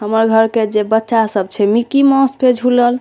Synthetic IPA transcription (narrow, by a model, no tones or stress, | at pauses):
ɦəməɾɡʱəɾked͡ʒebətːʃasəb̚t͡ʃʰɛmikimɔ̃spʰed͡ʒʱuləl